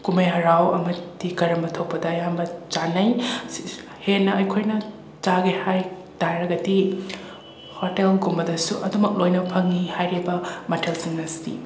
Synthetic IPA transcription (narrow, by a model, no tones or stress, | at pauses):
kumɐjɦɐɾawɐ̰mɐtikɐɾɐmbɐtʰɐwpɐdɐjambɐt͡ʃanɐj | henːɐɐjkʰojnɐ | t͡ʃaɡehaj | taɾɐɡɐdi | hotelɡumbɐdɐsuʔɐdumɐk̚lojnɐpʰɐŋːihajɾebɐmɐtʰelsiŋnɐstḭ